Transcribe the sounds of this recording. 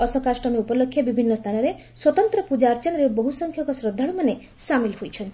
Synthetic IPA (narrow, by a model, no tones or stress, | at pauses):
ʌsʌkasʈʌmiupɔlokʰːjabibʱinːʌst̪ʰanʌɾe | swʌt̪ɔnt̪ɾʌpud͡ʒaɾt͡ʃʌnɾebɔɦusʌŋkʰjʌkɔsrɔd̪ʱaɽumane | samilɦojt͡ʃʰʌnt̪